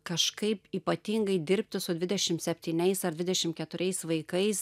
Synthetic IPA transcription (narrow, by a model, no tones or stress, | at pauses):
kɐʃkɐɪpiːpɐt̪ʲiːŋɡɐɪd̪ʲɪɾʲpʲt̪ʲɪsʊd̪ʲʋʲɪdʲɛʃʲɪmt̪sʲɛpʲt̪ʲiːnʲɛɪsɐrd̪ʲʋʲɪd̪ʲɛʃʲɪmkʲɛt̪ʊɾʲɛɪsʋɐɪkɐɪs